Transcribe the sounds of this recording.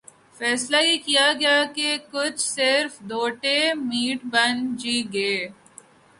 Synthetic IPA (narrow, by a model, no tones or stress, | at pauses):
fɛːslajekijaɡɐjakekʊt͡ʃʰsɪɾfd̪oːʈemiːʈbɐnd͡ʒiːɡeː